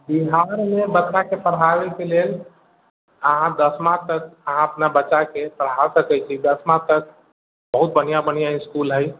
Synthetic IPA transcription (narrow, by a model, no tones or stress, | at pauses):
biɦaɾmẽbətːt͡ʃakepəɽ̤aʋekeleːl | əɦãd̪əsmãt̪əkəɦãəpnabətːʃakepəɽ̤ɦasəkɛt͡ʃʰid̪əsmãt̪ək̚ | bəɦʊt̪̚bənijabənijaiskuːlɦəj